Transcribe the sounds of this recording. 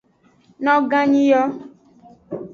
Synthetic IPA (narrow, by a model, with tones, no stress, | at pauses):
nɔ˦ɡa˦ɲi˦jɔ˦